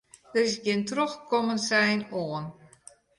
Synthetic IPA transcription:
dərɪsɡɪntroxkɔmənsɛjnoən

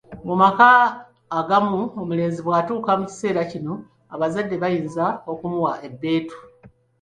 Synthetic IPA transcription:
mumakaː | ɡamuomule̞ːnziβwaːtuːkamuci̥se̞ːɾacino̞ | aβazadːe̞βajiːnzao̞kumuwaʔe̞bːe̞ːtu̥

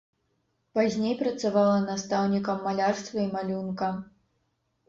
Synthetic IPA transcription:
pazʲnʲejpɾɐt̪savalˠɐnast̪awnʲikɐmːalʲarst̪vɐimalʲunkɐ

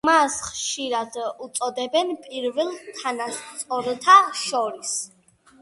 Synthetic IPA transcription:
masχʃiɾad̪ut̪sʼɔd̪ɛbɛnpʼiɾvɛlˠt̪ʰanast̪sʼɔɾt̪ʰaʃɔɾis

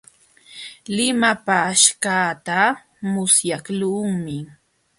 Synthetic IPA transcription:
lɪmapaʃkaːt̪a | mʊsjakluŋmɪ

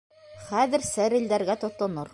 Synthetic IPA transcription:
χæðɘ̆ɾsæɾɘ̆ld̪æɾɡæt̪ŏt̪ːŏnɤɾ

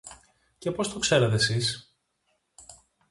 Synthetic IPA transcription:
ce̞po̞st̪okse̞ɾet̪e̞sis

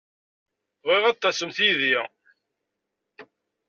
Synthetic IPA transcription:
ʁiʁɑt̪ˤːɑsəmθiði

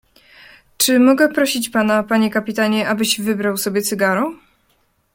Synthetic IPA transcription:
t͡ʂɘmɔɡɛpɾɔɕit͡ɕpanapaɲɛkapʲit̪aɲɛʔabɘɕvɘbɾawsɔbʲjɛt̪sɘɡaɾɔ̃

